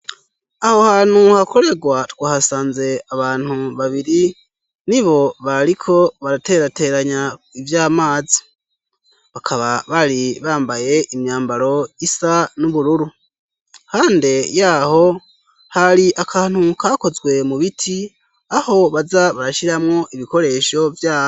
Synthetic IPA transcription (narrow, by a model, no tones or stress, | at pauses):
aho̞haːn̥huhakʰo̞ɾe̞ɡwatwaːhasaːnze̞aβaːn̥huβaβiɾi | niβo̞βaɾikʰo̞βaɾateɾate̞ɾaɲaivjaːmaːzi̥ | βakʰaβaβaɾiβaːmbaje̞ʔimɲaːmbaɾo̞isanuβuɾuɾu | kaːnde̞jaːho̞ | haɾiʔakʰaːn̥hukaːko̞zɡwe̞muβitʰi | aho̞βazaβaɾaʃiɾamŋo̞ʔiβiko̞ɾe̞ːʃo̞vjaː